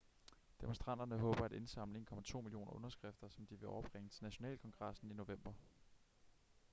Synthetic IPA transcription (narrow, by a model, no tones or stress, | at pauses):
d̥emo̝sd̥ʁɑ̈n̰d̥ɐnəɦɔ̽ːb̥ɐæde̝nsɑ̈m̰ləŋkʰɒ̽mæt͡sʰo̝̰ːmilio̝̰ːnɐʔɔ̽nɐsɡ̥ʁɛfd̥ɐsɒ̽md̥iʋe̝ɒʊɐb̥ʁeŋət͡sʰe̝lnæɕo̝nɛ̰ːlkʰɒ̽ŋɡ̥ʁɑ̈sn̩ino̝ʋem̰b̥ɐ